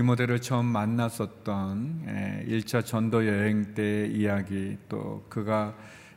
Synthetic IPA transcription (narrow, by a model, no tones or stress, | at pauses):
imodeɾɯɭt͡ɕʰʌmːanːas͈ʌt̚t͈ʌnḛiɭt͡ɕ͈ʰat͡ɕʌndojʌɦeŋt͈e̞ijaɡit͈o̰kɯɡa